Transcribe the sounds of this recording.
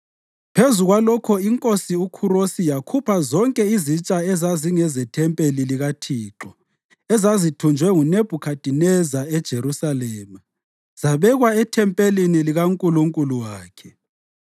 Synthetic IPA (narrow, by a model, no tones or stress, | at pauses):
pʰezuɣwalɔkʰɔiŋkʼosiukʰurosijakʰupʰazɔŋkʼɛizit͡ʃʼaɛzaziŋɛzɛtʰɛmpʼeliliɣatʰiːǁɔ | ɛzazitʰund͡ʒʱwɛŋuneb̥ʱukʰad̥ʼʱinɛzaɛd̥ʒ̥ʱeɾusalɛːma | z̥aβɛɣwaɛtʰɛmpʼeliniliɣaŋkʼuluŋkʼuluwaːkʰɛ̥